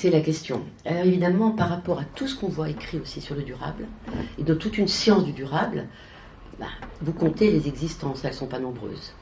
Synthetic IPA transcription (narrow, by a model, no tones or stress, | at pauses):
sɛlakʲɛst̪jɔ̰̃alɔʁevid̪amɑ̃paʁːapɔʁat̪usə̥kɔ̃vwaekχiosisyʁləd̪yʁa̰bled̪ɔ̃t̪ut̪ynsjɑ̃sd̪yd̪yʁabl | ba̰vukɔ̃t̪elezɛɡzist̪ɑ̃sɛlsɔ̃panɔ̃bʁø̰ːz